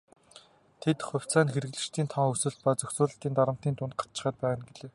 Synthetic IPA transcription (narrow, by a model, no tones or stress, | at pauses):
t̪ʰet̪χʊ̟w̥ʲt͡sæːnxeɾɘɣɮɘ̆t͡ɕt̪ʰiːnt̪ʰɔŋɵsɘ̆ɮt̪̚paːt͡sɵxt͡sʊːɮə̆ɬt̪iːnt̪aɾə̆m̥t̪iːnt̪ʊnt̪̚ɢḁt͡ɕɪ̆χæːt̪̚pæːʁə̆nɡeɮeː